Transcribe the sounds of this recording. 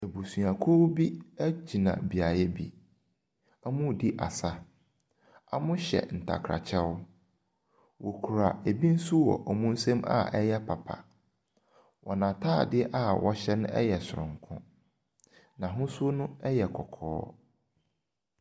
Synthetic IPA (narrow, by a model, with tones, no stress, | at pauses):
e˨bu˨su˨a˨kʰo˦bi˦æ˦d͡ʑi˨nã̰˨bi˨a˨jɛ˦bi˦ | a˦mʊ̃˦˨di˦ʔa̰˨sa˦ | a̰˨mʊ̃˦ɕɛ̰˨n̩˨tʰa̰˨kʰɾa̰˨t͡ɕʰɛ˦wʊ˦ | wo˨kʰu˨ɾa˨e˨bi˦n̩˦su˦wɔ̰˨ʔɔ˨mũ˦n̩˦sɛ̃˦ma̰˦ɛ˦jɛ˦pʰa˨pʰa̰˨ | wʔɔ˨nã˨tʰa˦˨dɪ˦ʔa˦wɔ˦ɕɛ˦nʊ̃˦ʔɛ̰˦jɛ˨sʊ˨ɾʊ̰̃˨ŋ̩˨kʰʊ̃˦ | nã˨ɦʊ̃˦sʊ˦o˦nʊ̃˦ɛ˦jɛ˨kʰɔ˨kʰɔ̰ː˦